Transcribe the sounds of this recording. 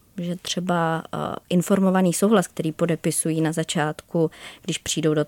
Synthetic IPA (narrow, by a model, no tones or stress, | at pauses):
ʒɛt̪r̝̥ɛbaʔɪnfo̞ɾmo̞vaniːso̞wɦlask̚t̪ɛɾiːpo̞dɛpɪsujiːnazat͡ʃaːt̪kuɡ̥dɪʃpr̥iːdowdo